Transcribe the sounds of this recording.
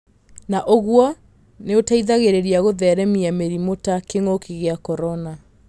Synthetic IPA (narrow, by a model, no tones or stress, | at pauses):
naʔoɣwɔ | neotaiðaɣeɾeɾiaɣoðɛɾɛmiameɾimotakeŋokʰeɣeakɔɾɔna